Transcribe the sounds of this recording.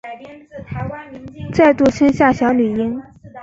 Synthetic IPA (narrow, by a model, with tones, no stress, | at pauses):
t͡sa˥˧ɪt̪u˥˩ʂʰə˥nɕja˥˩ɕjɑ˧˥ʊny˨˩i˥n